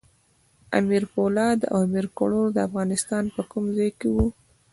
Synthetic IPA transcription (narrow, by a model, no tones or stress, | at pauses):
a̰miɾfolɑd̪a̰wamiɾkʊɽoɾd̪əafɣɑnɪst̪ɑnpəkumzɑjkewu